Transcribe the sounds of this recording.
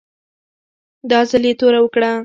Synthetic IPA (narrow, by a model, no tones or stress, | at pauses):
d̪ɑzalet̪oɾawəkɽa